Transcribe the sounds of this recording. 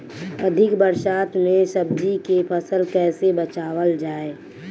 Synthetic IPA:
əd̪ʱɪkbəɾsaːt̪mẽsəb̚d͡ʒikepʰəsəlkɛːsebət͡ʃaːwəld͡ʒaːeː

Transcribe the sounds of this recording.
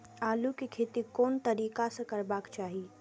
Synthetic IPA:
aːlukekʰeːt̪ikoːnt̪əɾiːkasə̃kəɾbaːkt͡ʃaːɦi

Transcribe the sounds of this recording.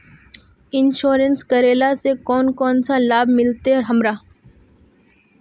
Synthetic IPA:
ɪnʃoːɾə̃nskɐɾeːlasekɔːnkɔːnsalaːbmɪlt̪eɔɾɦɐmɾaː

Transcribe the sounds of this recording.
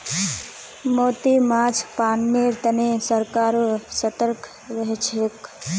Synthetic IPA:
moːt̪imaːd͡ʒʰpaːnmeɾt̪ənesəɾkaːɾsət̪əɾkʰ | ʋeɦt͡ʃʰek

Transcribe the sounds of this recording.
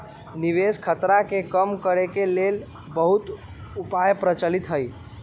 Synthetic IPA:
niʋeskʰət̪ɾakekəmkəɾekelel | bəɦut̪ | upajpɾət͡ʃəlit̪ɦəj

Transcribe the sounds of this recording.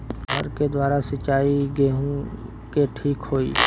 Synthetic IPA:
ɦɐɾked̪waːɾasɐt͡ʃaːiɡeːɦũ | keʈʰiːkɦoːḭː

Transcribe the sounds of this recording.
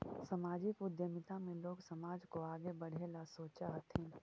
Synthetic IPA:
səmaːd͡ʒɪkʊd̪ʱjəmɪt̪amẽloːɡsəmaːd͡ʒkoaːɡebəɽ̤ʱelasoːt͡ʃaɦət̪ʰɪ̃ː

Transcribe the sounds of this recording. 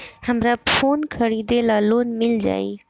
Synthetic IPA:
həmɾafʰoːnkʰəɾiːd̪elaːloːnmɪld͡ʒa̰ːḭː

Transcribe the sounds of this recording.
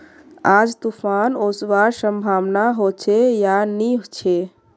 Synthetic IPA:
ad͡ʒt̪upʰanoswaɾsəmbʱaʋnaɦot͡ʃʰejaniɦot͡ʃʰe

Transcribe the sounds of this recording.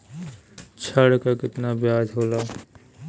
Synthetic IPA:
t͡ʃʰəɽkakɪt̪nabjaːd͡ʒɦoːlaː

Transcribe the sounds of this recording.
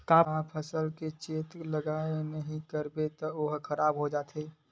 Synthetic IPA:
kãːpʰəsəlket͡ʃeːt̪ləɡaːenəɦĩkəɾbet̪ɔʊɦkʰəɾaːbɦod͡ʒaːt̪ʰeː

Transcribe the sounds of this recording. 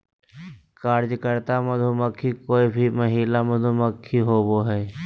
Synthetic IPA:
kaːɾd͡ʒkəɾt̪amɐd̪ʱoməkʰːikoːibʱiməɦiːlamɐd̪ʱoməkʰːiɦoːboɦɛː

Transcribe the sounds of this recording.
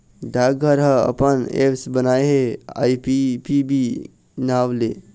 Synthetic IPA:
ɖaːɡʱəɾɦə̃ə̰pənḛpsbənaːeɦea̰ːipipibi | naːʋle

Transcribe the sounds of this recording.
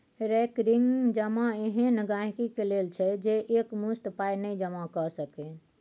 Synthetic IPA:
ɾɛkɾiŋɡd͡ʒəmaeɦẽnəɡãɦkikelelt͡ʃʰɛd͡ʒeʔekmust̪pajnəjd͡ʒəmakəsəken

